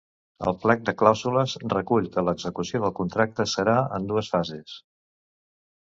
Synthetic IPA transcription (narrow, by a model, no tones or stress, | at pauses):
ə̰lˠplɛk̚d̪əklawzuləzrəkuʎkələɡzəkusioðəlˠkunt̪ɾak̚t̪əsəɾaə̰nd̪uəsfazes